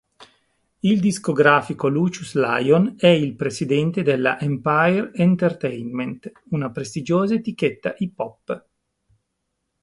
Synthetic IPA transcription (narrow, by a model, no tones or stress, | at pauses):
ild̪iskoɡɾaːfikolut͡ʃusla̰jonɛilpɾesid̪ɛnt̪ed̪elːa̰ʔempajɾent̪ert̪ɛjnment̪ | unapɾest̪id͡ʒoːzaet̪iket̪ːaʔipɔpː